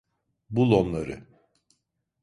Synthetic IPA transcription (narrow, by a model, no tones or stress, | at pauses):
bulˠo̞nlˠaɾɯ̰